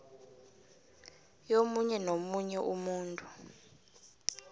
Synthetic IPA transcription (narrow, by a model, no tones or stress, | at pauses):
jomuɲɛnomuɲɛʔumuːntʼu